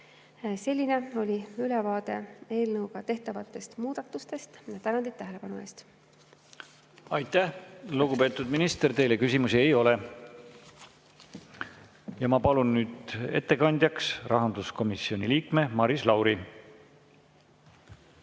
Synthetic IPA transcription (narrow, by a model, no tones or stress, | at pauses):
se̞lʲːine̞o̞lʲiylɛvɑːd̪e̞e̞ːlnɤwɡ̥ɑt̪e̞ht̪ɑvɑt̪ːˑe̞st̪muːd̪̥ɑt̪ːˑust̪e̞st̪jɑt̪ænɑnd̪it̪ːæɦele̞pɑnue̞ːst̪ | ɑjt̪ːˑæhluɡ̥upe̞ːt̪ːˑud̪minist̪e̞rt̪e̞jle̞kysimusiejo̞le̞ | jɑmɑpɑlunːyːd̪e̞t̪ːe̞kɑnʲd̪̥ʲjɑksrʔɑɦɑnd̪̥usko̞misio̞nʲiliːkme̞mɑɾislɑwɾi